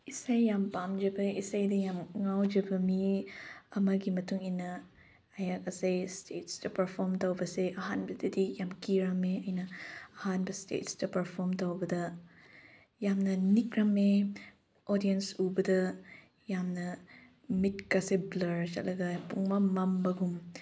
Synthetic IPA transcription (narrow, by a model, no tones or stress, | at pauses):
isajːampamd͡ʒɐbɐisajdɐjamŋawd͡ʒɐbɐmi | ɐmaɡimɐtuŋinɐ | ɐjakɐsejstʰetstɐpɐɾpʰoɾmtawbɐseʔɐɦanbɐdɐdijamkiɾameɐjnɐɐhanbɐstḛtsdɐpɐɾpʰoɾmtɐwbɐdɐ | jamnɐnik̚ɾame | odijensubɐdɐ | jamnɐ | mit̚kaseblɐɾt͡ʃɐlɐɡapuŋmamɐmbɐɡum